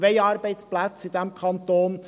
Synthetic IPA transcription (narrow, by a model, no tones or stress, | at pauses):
ʋɛɪɑːɾbɛɪsplæt͡sɪd̪ɛmkʰɑnt̪oːn